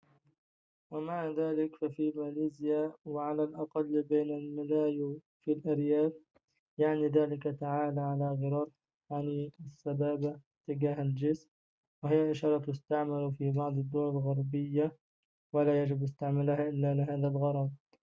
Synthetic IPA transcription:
wamaʕðaːlɪkfafimaliːzɪjawɪʕalalʔɑqɑlːbeːnalmɪlaːju | filʔaɾjaːf | jaʕniðaːlɪkat̪aʕaːlʕalaɣɪɾˤɑːɾˤ | janiɪsːabaːba | t̪ːɪɡaːhald͡ʒɪsm | wɪhɪjːaʔɪʃɑːɾˤɑt̪ʊst̪aʕmalfibɑʕd̪ˤɪd̪ːʊwalalɣɑɾˤbɪjːa | wɪlaːjad͡ʒɪbʔɪst̪aʕmɪlhaʔɪlːalɪɦaːðalɣɑɾˤɑb

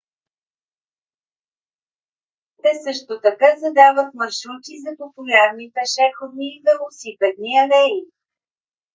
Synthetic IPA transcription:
t̪ɛsɤʃt̪ot̪ɐkazɐd̪avət̪mɐɾʃɾut̪izɐpopojaɾnit̪ɛʃɛxod̪niːvɛlˠʊsipɛd̪niɐlɛji

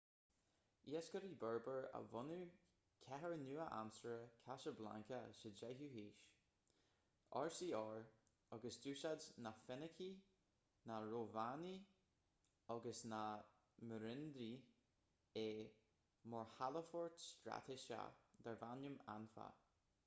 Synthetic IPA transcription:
iːəskəɾibɛɹbəɹə̰vʊnu | kʰɛɦəɹnuːəʔa̰nsəɹəkʰaʃəɹbla̰ŋkʰəʃədɛɦuɦiːʃ | ɑɹsiːɔɹ | ɔɡəsduːʃadnafɛnəkʰi | naɹoːvani | ɔɡəsna | məɾɪnd̪ɾi | e | mɔɹhaləfɔɹtstɾa̰t̪ʰɪʃa̰d̪ɛɹvanjəma̰nfa̰

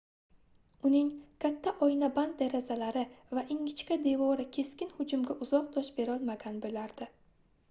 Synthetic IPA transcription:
ʊnɪŋkʲʰat̪ʰːaʔɒjnaband̪̚d̪eɾazalaɾɪvaʔɪŋʲɪt͡ʃkʲad̪e̞vɒɾɪkʲʰe̞skʲɪnhʊd͡ʒʊmɡʲaʔʊzɒq̚d̪ɒʃbe̞ɾɒlˠmaɡʲanbolaɾd̪̥ɪ

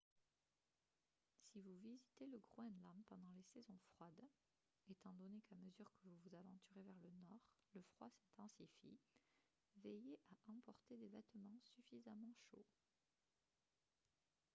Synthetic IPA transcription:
sivuvizit̪eləɡʁoɛ̃d̪lampɑ̃d̪ɑ̃lesezɔ̃fχwad̪ | et̪ɑ̃d̪ɔnekaməzyʁkəvuvuzavɑ̃t̪yʁevɛʁlənɔːʁləfχwasɛ̃t̪ɑ̃sifḭ | vɛjeʔaʔɑ̃pɔʁt̪ed̪evɛt̪mɑ̃syfizamɑ̃ʃo̰

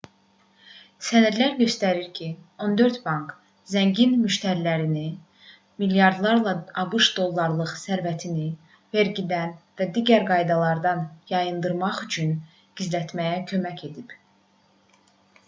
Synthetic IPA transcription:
sænæɾlæɾɟø̞st̪æɾiɾcʰio̞nd̪ø̞ɾt̪bɑŋk | zæɲɟinmyʃt̪ʰæɾilæɾini | miljɑɾd̪lˠɑɾlˠɑɑbɯʃd̪o̞lˠːɑɾlˠɯχsæɾvæt̪ʰini | ve̞ɾɟid̪ænvæd̪iːɟæɾɡɑjd̪ɑlˠɑɾd̪ɑnjɑjɯnd̪ɯɾmɑχyt͡ʃʰyn | ɡ̥izlæt̪mæjæcʰø̞mæcʰe̞d̪ib

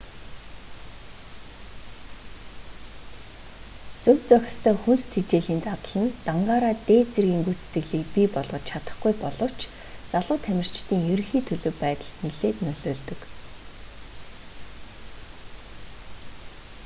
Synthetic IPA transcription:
t͡sɵm̥t͡sœxʲɪ̆st̪ʰœːxunst̪ʰit͡ɕeːɮiːnt̪at̪ə̆ɮə̆nt̪aɴɢaːɾaːt̪eːt͡sĕrɣʲiːŋɡujʰt͡se̥t̪ɘ̆ɣɮiːk̚pipɔɮʁ̥ɞ̆t͡ɕt͡ɕʰat̪ə̆χɡujpɔɮɞ̆w̥t͡ɕ | t͡saɮʊːt̪ʰæmʲɪ̆r̥t͡ɕt̪ʰiːŋjɵɾ̆xiːt̪ʰɵɮɵ̆wpæːt̪ə̆ɬt̪niɮeːt̪nɵɮʊːɮt̪ɵ̆k

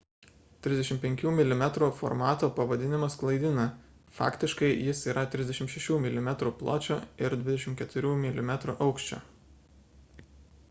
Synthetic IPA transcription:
t̪ʲɾʲɪzd̪ɛʃʲɪmpʲɛŋʲkʲuːmʲɪlʲɪmʲɛt̪ɾuːˑfɔ̰ɾmɑːt̪oːpɐʋɐd̪ʲɪnʲɪmɐsklˠɐɪd̪ʲɪnɐ | fɑ̰ːkt̪ʲɪʃkɐɪjɪsiːɾɐt̪ʲɾʲɪzd̪ʲɛʃʲɪmʃʲɛʃʲuːmʲɪlʲɪmʲɛt̪ɾuːplˠo̰ːt͡ʃʲoɪɾd̪ʲʋʲɪd̪ʲɛʃʲɪmtkʲɛt̪ʊɾʲuːmʲɪlʲɪmʲɛt̪ɾṵʔɒʊkʃʲt͡ʃʲo̰ː

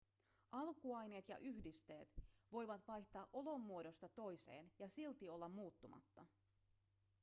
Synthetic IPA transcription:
ʔɑlkuɑjne̞ːt̪jɑ̰ʔyçdist̪e̞ːt̪ʋo̞jʋɑt̪ʋɑjçt̪ɑːʔo̞lo̞mːuodo̞st̪ɑt̪o̞jse̞̰ːnjɑsilt̪io̞lːɑmːuːt̪ːumɑ̰t̪ːɑ

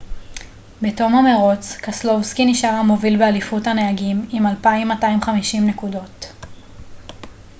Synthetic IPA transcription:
beto̞mameʁot͡skaslo̞vskiniʃaʁamo̞vilbealifuthaneaɡimimalpaimːataimχamiʃimne̞kudo̞t

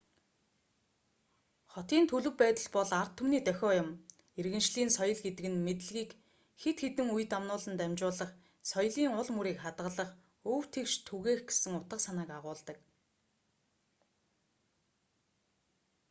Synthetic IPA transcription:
χɔt̪iːnt̪ʰɵɮɵ̆wpæːt̪ə̆ɮpɔɮar̥t̪ʰːumniːt̪œxʲɔːjʊm | erɣɘ̆nʃɮiːnsɔjɞ̆ɮɡet̪ɘ̆kɘ̆nmet̪ɘ̆ɮɣiːk | xet̪xet̪ɘ̆ŋuj̆t̪amnʊːɮə̆nt̪æmʲt͡ɕʊːɮə̆χ | sɔj̆ɮiːŋʊɮmuɾiːkχat̪ʁə̆ɮə̆χ | ɵw̥t̪ʰekʃt̪ʰuɣeːxɡe̥sɘ̆ŋʊt̪ə̆qsanăːkaʁʊːɮt̪ə̆k

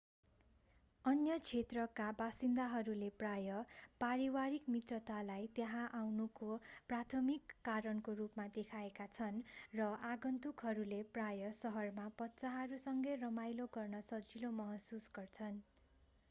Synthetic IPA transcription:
ʌnjʌt͡sʰet̪rʌkabasind̪aɦʌɾuleprajʌpaɾiwaɾikmit̪rʌt̪alajt̪jʌɦãʔawnukoprat̪ʰʌmikːaɾʌnkorupmad̪ekʰaekat͡sʰʌnrʌʔaɡʌnt̪ukɦʌɾuleprajʌsʌɦʌrmapʌt̪ːsaɦʌɾusʌŋɡʌjrʌmajloɡʌrnʌsʌd͡zilomʌɦʌsusɡʌrt͡sʰʌn

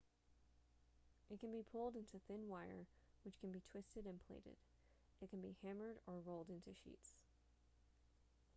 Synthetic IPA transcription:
ʔɨt̚kʰɨ̃n̩bipʰʊlˠdɪ̃ntʰʉθɪ̃nwaɪə̰˞ | wɨt͡ʃkʰɨ̃nbitʰw̥ɪstɨɾɨ̃npʰl̥ḛɪɾɨ̰d | ɨt̚kʰn̩bihæ̃mə˞ɾə˞ɹoʊlˠdɪ̃ntʉʃḭts

